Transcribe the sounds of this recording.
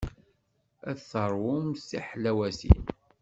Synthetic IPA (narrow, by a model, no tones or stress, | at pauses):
æθəɾˤwʊmsḭħlæwæsḭn